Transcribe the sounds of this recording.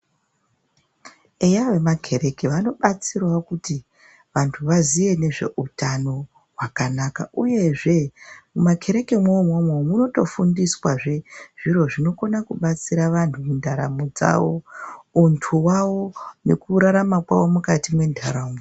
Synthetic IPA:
e̞jaʋe̞makʰe̞ɾe̞keʋano̞ɓat͡sirwakuti | ʋantʰuʋaziʋe̞ne̞ʐe̞̰ʔutano̞ | wakanaka̰ʔuje̞ʐe̞umakʰe̞ɾe̞kemwomomwomuno̞to̞fundiswaʐe̞ʐ̥iro̞ʐino̞ko̞nakuɓat͡siɾaʋantʰumundʱaɾamud͡za̰wo̞untʰuwawo̞ne̞kuɾaɾamakwawo̞mukatimwe̞ndʱaɾamu

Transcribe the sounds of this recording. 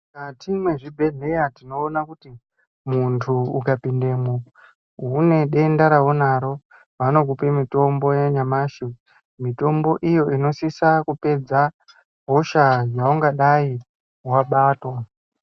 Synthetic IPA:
katimwe̞ʐibʱe̞ɮe̞jatino̞ːnakuti | muntʰuːkapinde̞mo | ɦune̞ɗe̞ndaɾaonaɾo̞ | ʋano̞ɡupe̞mito̞mbo̞jeɲamaːʃi | mito̞mbo̞ʔijo̞ino̞sisakupe̞d͡za | ɦo̞ʃajauŋɡaɗai | waɓaːtwa

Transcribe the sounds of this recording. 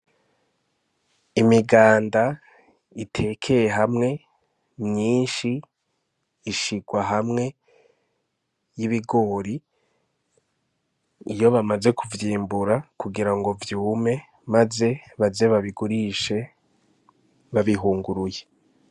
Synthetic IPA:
imiɡaːnda | itʰe̞kʰe̞jeɦamŋe̞ | mɲiːnʃi | ʃiɡwaɦamŋe̞ | jiβiɡo̞ɾi | jo̞βamaze̞kuvjiːmbuɾakuɡiɾaŋɡo̞vjuːme̞ | maze̞βaze̞βaβiɡuɾiːʃe̞ | βaβiɦuːŋɡuɾuje̞

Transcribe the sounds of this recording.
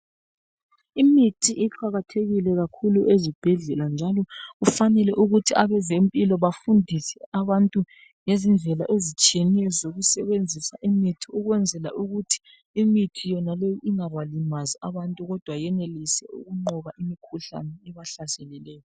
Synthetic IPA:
imitʰiʔiǃaɣatʰeɣilɛɣakʰuluʔezib̥ʱɛɮɛland͡ʒʱalɔɣufanɛlɛʔuɣutʰiaβɛzempʼilɔβafundʱisɛaβantʼu | ŋezind͡ɮʱɛlaʔezit͡ʃʼienijɔzoɣusɛβend͡zʱisaʔimitʰiuɣwɛnd͡zʱɛla̰ʔuɣutʰi̥ | imitʰijɔnalejɔʔiŋaβalimaziaβantʼuɣɔd̥ʱwajɛnelisɛ̰ṵɣuŋ͡ǃɔβaʔimikʰuɬa̰nɛɛβaɬasɛlɛlɛːjɔ

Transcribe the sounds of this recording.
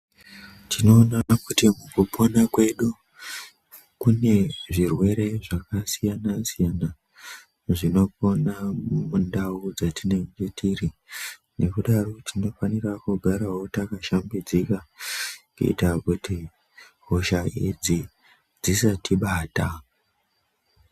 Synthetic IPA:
tino̞ːnakutimukupʰo̞nakwe̞ɗu | kune̞ʐirwe̞ɾe̞ʐakasijanasijana | ʐino̞po̞namundaud͡zatine̞ŋɡetʰiri | nʔe̞kuɗaro̞tʰino̞fanirakuɡʱaɾawo̞takaʃambid͡zika | kuḭtakuti | ɦoʃaed͡zi | d͡zisatiɓaːta

